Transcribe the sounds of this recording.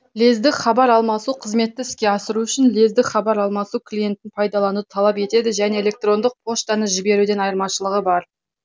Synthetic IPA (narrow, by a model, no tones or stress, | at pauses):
le̞zd̪ɪkχɑbɑɾɑlˠmɑsuqʰəzme̞t̪ːɪɪskʲe̞ɑsəɾuʏʃɪnle̞zd̪ɪkχɑbɑɾɑlˠmɑsukʰlʲije̞nt̪ːɪnpʰɑjd̪ɑlˠɑnut̪ʰɑlˠɑpe̞t̪e̞d̪ɪʒæne̞elʲe̞k̚t̪ro̞nd̪əq̚pʰo̞ʃt̪ɑnəʒɪbe̞ɾud̪e̞nɑjəɾmɑʃəlˠəʁəbɑɾ